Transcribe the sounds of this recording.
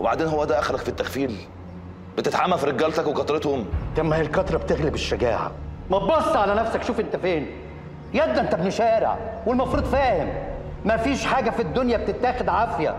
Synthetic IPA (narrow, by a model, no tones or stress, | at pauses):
webaʕd̪eːnɦowːæd̪æʔæxælækfit̪ːæxfiːl | b̥et̪et̪ʕamːælfiɾeɡːæːlt̪ækwekɑt̪ɾet̪homt̪æmːæelkɑt̪ɾˤɑbt̪eɣlebeʃːæɡæ̰ːʕa̰ | mɑbɑsˤːɑʕalænæfsækʃuːfʔent̪æfeːn | jæd̪ːæʔent̪æbnoʃæːɾḛʕwelmɑfɾˤuːd̪ˤfæːhemː | æfiːʃħaːɡæfid̪ːonjæb̚t̪et̪ːæːxed̪ʕafjæ̰